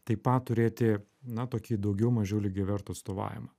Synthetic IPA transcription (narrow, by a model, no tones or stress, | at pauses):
t̪ɐɪpɑt̪ʊɾʲeːt̪ʲɪ | nɐt̪oːkʲiːd̪ɐʊɡʲɛʊmɐʒʲɛʊlʲɪɡʲɪʋʲɛɾt̪ʊɐt̪st̪oːʋɑ̰ːjʲɪ̰mɐ